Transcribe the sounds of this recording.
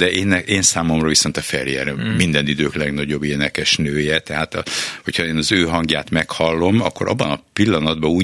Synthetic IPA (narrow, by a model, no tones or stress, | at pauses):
d̪ɛʔeːnːɛeːnsaːmo̞mrɒviso̞nt̪ɒfɛljɛ̰ɾmind̪ɛnid̪øːklɛɡnɒɟo̞bːeːnɛkɛʃnøːjɛt̪ɛɦaːt̪ɒ̰hochɒeːnɒzøːɦɒŋɡjaːt̪mɛkhɒlːo̞mɒ̰kːo̞ɾɒ̰bːɒnɒpilːɒnɒd̪bɒuː